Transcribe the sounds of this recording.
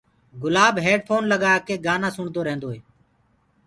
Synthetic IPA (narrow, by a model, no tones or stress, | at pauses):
ɡʊlaːbɦeːɖpʰoːnləɡaːaːkeːɡaːnãːsʊɳd̪oːɾẽːnd̪oːɦeː